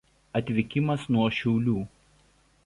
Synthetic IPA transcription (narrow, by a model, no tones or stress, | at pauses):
ɐt̪ʲʋʲɪkʲɪmɐsnuɔʃʲɛʊlʲuː